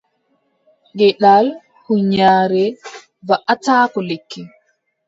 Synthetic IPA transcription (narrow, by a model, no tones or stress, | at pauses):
ɡɛɗal | huɲaːɾɛ | vaʔataːkɔlekʰːɛ